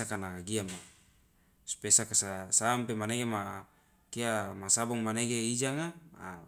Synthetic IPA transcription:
akanakaɡiama | su̥pesakasasampemaneɡema | kiamasabɔŋmaneɡeid͡ʒaŋama

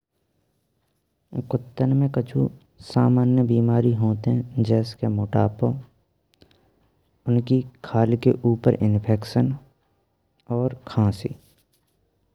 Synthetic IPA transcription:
kʊt̪ːənmẽkət͡ʃʰṵ | saːmaːnjəbiːmaːɾiɦoːt̪eɦɛ̃d͡ʒɛːskemoːʈa̰ːpõ | ʊnkikʰaːlkeʔuːpəɾʔɪnpʰɛːkʃən | ɔːɾkʰãːsḭː

